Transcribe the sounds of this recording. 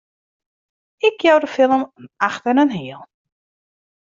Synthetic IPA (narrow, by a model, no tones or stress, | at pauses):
ɪkʰjowdəfɪlˠəmənaxtənənɦiəlˠ